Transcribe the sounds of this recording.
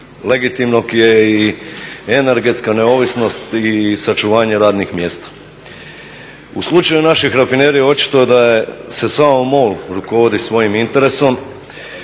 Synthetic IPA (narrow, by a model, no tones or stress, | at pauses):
le̞ɡit̪imno̞ɡje̞i | ene̞ɾɡe̞t̪skane̞o̞ːʋisno̞st̪isat͡ʃuʋaːɲe̞ɾaːd̪nixmje̞ːst̪ḁ | uslˠut͡ʃajunaʃixɾafine̞ːɾijo̞t͡ʃi̥t̪o̞ed̪ajese̞samomoːlɾuko̞ʋo̞d̪isʋo̞jimint̪e̞ɾe̞so̞m